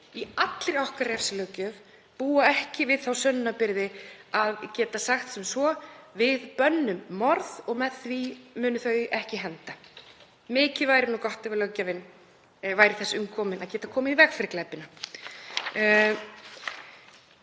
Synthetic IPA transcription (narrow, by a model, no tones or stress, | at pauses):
iat̪lɪɾawhkaɾɛfsɪlœcœv | puːaɛhcɪvɪðθawsœnːʏnapɪɾðɪaðcɛːt̪asaxt̪sɛmsvɔvɪðpœnːʏmːɔɾðɔɣmɛðθvimʏːnʏθœːɥɛhcɪɦɛnt̪a | mɪːcɪvaːjɾɪnukɔht̪ɛvɪlœwcːavɪnː | vaːjɾɪθɛsːʏmkʰɔːmɪnaðcɛːt̪akʰɔːmɪðivɛxfɪɾɪklɛpɪna